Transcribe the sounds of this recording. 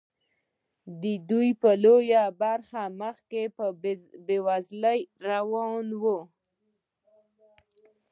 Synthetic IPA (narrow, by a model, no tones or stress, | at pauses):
d̪əd̪ujpəlojabaɾxaməxkepəbewazləjɾawɑnwu